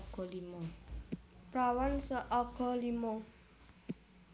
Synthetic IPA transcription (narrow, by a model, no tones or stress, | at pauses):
ɡ̥ɔlimo | pɾawansəʔɔɡ̥ɔ̤limo